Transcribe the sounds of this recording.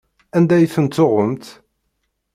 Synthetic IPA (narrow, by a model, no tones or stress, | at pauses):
ænd̪æjθənt̪ːoʁəmt̪